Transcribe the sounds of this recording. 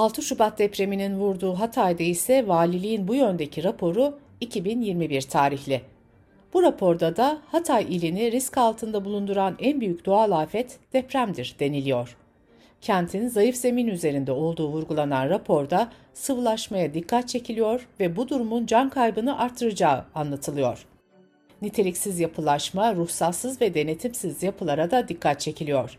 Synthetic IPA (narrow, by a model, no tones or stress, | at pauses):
alˠt̪ʰɯʃubat̪̚d̪ɛpɾe̞mininvuɾd̪uːɦat̪ʰajd̪aisɛvaːlʲilʲijinbujø̞nd̪e̞cʰiɾapʰo̞ɾu | icʰibinjiɾmibiɾt̪ʰaːɾiçlʲɪ | b̥uɾapʰo̞ɾd̪ad̪ahat̪ʰajilʲiniɾiscalˠt̪ʰɯnd̪abulˠund̪uɾanænbyjycʲd̪̥oalˠaːfɛt̪d̪̥ɛpɾæmd̪iɾd̪e̞nilʲijo̞ɾ̥ | cʰænt̪ʰinzajɯfze̞minyze̞ɾind̪ɛo̞lˠd̪uːvuɾɡulˠananɾapʰo̞ɾd̪a | sɯvlˠaʃmajad̪ikʰːat̪̚t͡ʃʰe̞cʰilʲijo̞ɾvɛbud̪uɾumund͡ʒankʰajbɯnɯʔaɾt̪ʰːɯɾɯd͡ʒaːɯanlˠat̪ʰɯlˠɯjo̞ɾ̥ | nit̪ʰe̞lʲicsizjapʰɯlˠaʃmaɾuhsat̪sɯzvɛd̪e̞ne̞t̪ʰimsizjapʰɯlˠaɾad̪ad̪ikʰːat̪̚t͡ʃʰe̞cʰilʲijo̞ɾ̥